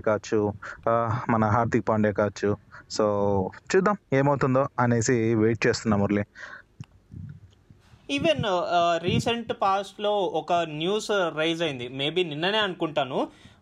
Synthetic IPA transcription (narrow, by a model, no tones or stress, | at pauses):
kaːɐt͡ʃːu | mɐnɐɦaːɾt̪ik̚paːɳɖɛːkaːʋɐt͡ʃːusoːt͡ʃuːd̪ːaːme̞ːmɐwt̪und̪oːɐneːsiʋe̞ːʈ̚t͡ʃe̞ːst̪unːaːmuɾli | iːʋenɾiːsɐɳʈpaːsʈlo̞ːɔkɐnjuːsɾɐjzɐjind̪ime̞ːbiːninːɐne̞ːɐnukuɳʈaːnu